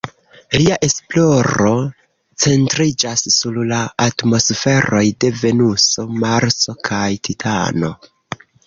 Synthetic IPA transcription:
liaʔe̞splo̞ɾo̞ | t͡se̞ntɾid͡ʒasːullaːtmo̞sfe̞ɾo̞jde̞ve̞nuso̞maɾso̞kʰajtʰitʰa̰no̞̰

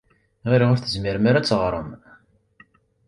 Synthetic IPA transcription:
ʁiɾiʊɾθəzmɪɾəmaɾæt͡sːʁɾˤəm

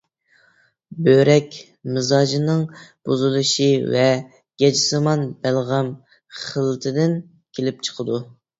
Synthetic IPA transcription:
bøɾɛkʲ | mɨzɑːʒinɨŋb̥ozɨlˠɨʃivɛ | ɡ̥ʲɛd͡ʒɪsɨmɑnbælʁæm | χəlˠɨt̪ʰɨd̪ɪn | kʲʰelɪp̚t͡ʃʰə̥qʰəd̪u

